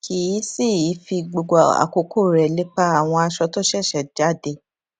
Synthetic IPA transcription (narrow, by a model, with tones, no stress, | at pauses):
kʰi˨i˨˦si˦˨i˨˦fi˧ɡ͡bo˧ɡ͡bɔ˨a̰˨ko˧kʰo˦˨ɾɛ˨le˦k͡pa˦a˨w̃ɔ̃˧a˧ʃɔ˧to˦ʃɛ˦˨ʃɛ˨d͡ʒa˨˦˨de˧˦